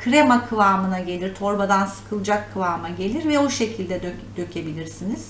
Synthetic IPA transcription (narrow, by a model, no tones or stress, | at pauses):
kʰɾemakʰɯvˠaːmɯnaɟe̞lʲiɾt̪ʰo̞ɾbad̪ansɯ̥kʰɯlˠd͡ʒakʰːɯlˠaːmaɟe̞lʲiɾvɛoʃe̞cʰilʲd̪ɛd̪ød̪̥ø̞cʰe̞bilʲiɾsiniz̥